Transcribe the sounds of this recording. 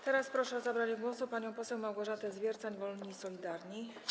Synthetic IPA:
t̪ɛɾaspɾɔʂɛɔzabɾad͡ʑɡwɔsupaɲɔ̃w̃pɔsɛwmawɡɔʐat̪ɛzvʲjɛɾt̪saɲvɔlɲisɔlʲid̪aɾɲi

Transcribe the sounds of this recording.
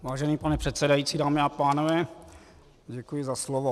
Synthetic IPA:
vaːʒɛniːpanɛpr̝̥ɛt̪sɛdajiːtt͡siːdaːmɪapaːnovɛː | ɟɛkujɪzaslovo

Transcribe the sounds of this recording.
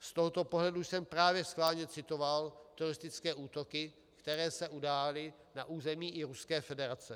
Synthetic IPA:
st̪oɦot̪opo̞ɦlɛduʃsɛmpɾaːvjɛsxklaːlɲɛt͡sɪt̪ovalt̪uɾɪst̪ɪt͡skɛːʔuːt̪o̞kɪ | kt̪ɛɾɛːsɛʔudaːlɪ | naʔuːzɛmiːʔɪɾuskɛːfɛdɛɾat͡sɛ

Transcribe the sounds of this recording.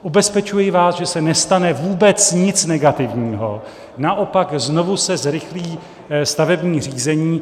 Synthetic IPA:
ʔubɛspɛt͡ʃujɪvaːsʒɛsɛnɛst̪anɛvuːbɛt͡sɲɪt͡snɛɡat̪ɪvɲiːɦo̰ | naʔo̞pakzno̞vusɛzɾɪxliː | st̪avɛbɲiːr̝iːzɛɲiː

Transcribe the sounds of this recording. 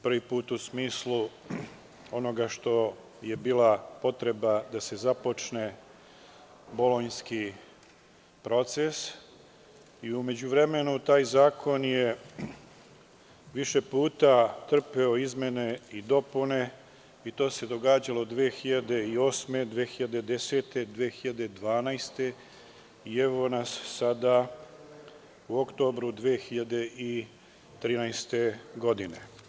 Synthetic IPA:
pr̩ʋipuːt̪usmiːslu | o̞no̞ɡaʃt̪o̞ | je̞biːlˠapo̞t̪ɾe̞bad̪ase̞zapo̞t͡ʃne̞ | bo̞lo̞ɲski | pɾo̞t̪se̞s | iume̞d͡ʑuʋɾe̞me̞nut̪aːjzaːkʰo̞nje̞ | ʋiʃe̞puːt̪at̪r̩peo̞izmje̞ne̞id̪o̞pune̞ | it̪o̞ːse̞d̪o̞ɡaːd͡ʑalo̞d̪ʋeːxiʎad̪e̞io̞ːsme̞d̪ʋeːxiʎad̪e̞d̪e̞seːt̪e̞d̪ʋeːxiʎad̪e̞d̪ʋaːnajst̪e̞ | ie̞ʋo̞nasːad̪a | uokt̪o̞ːbɾud̪ʋeːxiʎad̪e̞ʔi | t̪ɾiːnajst̪e̞ɡo̞d̪ine̞̰

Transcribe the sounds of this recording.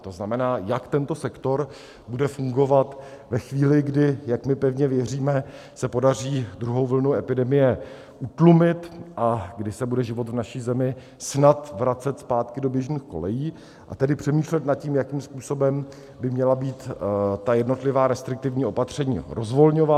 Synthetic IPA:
t̪o̞znamɛnaːjakt̪ɛnt̪o̞sɛkt̪o̞ɾ | budɛfuŋɡo̞vat̪vɛxviːlɪɡdɪjakmɪpɛvɲɛvjɛriːmɛsɛpo̞dar̝iːd̪ɾuɦo̞wvl̩nuʔɛpɪdɛmɪjɛ | ʔut̪lumɪt̪ʔaɡdɪsɛbudɛʒɪvo̞t̪vnaʃiːzɛmɪ | snat̪vɾat͡sɛt̪spaːt̪kɪdo̞bjɛʒɲiːxko̞̰lɛjiː | ʔa̰t̪ɛdɪpr̝̥ɛmiːʃlɛt̪nat̪̚ciːmjakiːmspuːso̞bɛm | bɪmɲɛlabiːt̪t̪ajɛdno̞t̪lɪvaːɾɛst̪ɾɪk̚t̪ɪvɲiːo̞pat̪r̝̥ɛɲḭːɾʔozvo̞lɲo̞va

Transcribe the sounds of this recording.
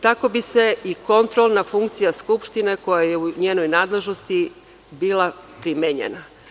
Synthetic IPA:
t̪ako̞bise̞iko̞nt̪ɾolˠnafuŋkt̪sijaskupʃt̪ine̞ko̞jaje̞uɲeːno̞jnaːd̪le̞ʒno̞st̪i | biːlˠapɾimeɲḛna

